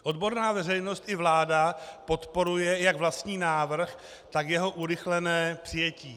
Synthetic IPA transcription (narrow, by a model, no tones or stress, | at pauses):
ʔo̞d̪bo̞ɾnaːvɛrɛjno̞st̪ʔɪvlaːdapo̞t̪po̞ɾujɛjaɡvlast̪ɲiːnaːvr̩x | t̪akjɛɦo̞ʔuɾɪxlɛnɛːpr̥ɪjɛciː